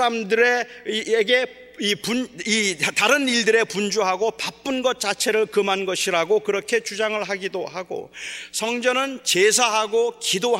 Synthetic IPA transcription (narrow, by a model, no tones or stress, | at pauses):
amdɯɾe̞eɡe̞ | ipunitaɾɯniɭdɯɾe̞pund͡ʑuɦaɡopap͈ɯnɡʌt̚t͡ɕ͈at͡ɕʰe̞ɾɯɭkɯmanɡʌɕʰiɾaɡokɯɾʌkʰe̞t͡ɕud͡ʑaŋɯɭɦaɡidoɦaɡo̰sʰʌŋd͡ʑʌnɯnt͡ɕesʰaɦaɡokido